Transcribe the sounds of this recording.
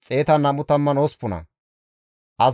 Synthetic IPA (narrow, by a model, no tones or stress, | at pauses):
t͡sʼe̞ːt̪ɐnɐmʊt̪ɐmːɐnospːʊnɐ̰ | ʔɐz